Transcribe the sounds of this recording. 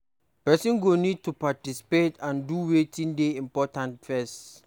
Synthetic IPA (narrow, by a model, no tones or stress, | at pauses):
pɛsĩnɡonid̚tupatisi̥petãnduwetʰĩndeĩmpɔtãntfɛst